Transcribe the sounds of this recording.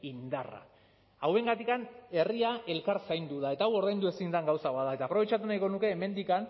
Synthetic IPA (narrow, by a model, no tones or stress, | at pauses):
ind̪ara̰ | awe̞ŋɡat̪ikane̞riaʔe̞lkaɾsajnd̪uð̞ae̞t̪aawo̞ɾðajnd̪ue̞sind̪aŋɡawsaβaðaet̪aːpɾo̞βe̞t͡ʃat̪̬unajko̞nuke̞ːme̞nd̪ikan